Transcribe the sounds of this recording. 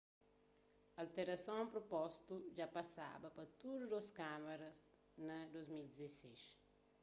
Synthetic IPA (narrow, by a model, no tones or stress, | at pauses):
alt̪eɾɐsɔ̃ŋpɾopɔst̪ud͡ʒapasa̰bɐpɐt̪uɾud̪oskamɐɾɐs | nɐd̪ozmild̪izesɛʃ